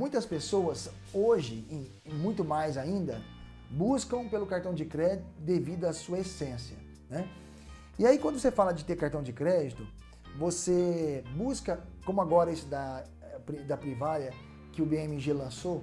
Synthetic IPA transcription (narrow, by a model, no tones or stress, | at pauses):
mũj̃t̪ɐspesowɐz | oʒɪ | mũj̃t̪ʊmajzaĩnd̪ɐ | buskɐ̃w̃pelʊkaɾt̪ɐ̃w̃d͡ʒɪkɾɛd͡ʒit̪ʊd̪evid̪ʊɐsuɐesẽsiɐ | nɛ | iaikwɐ̃nd̪ʊsefalɐd͡ʒɪt̪eɾkaɾt̪ɐ̃w̃d͡ʒɪkɾɛd͡ʒɪt̪ʊ | vosebuskɐkõmʊaɡɔɾɐesɪd̪ɐ | pɾid̪ɐpɾivaɾjɐ | kɪʊbeẽmɪʒelɐ̃so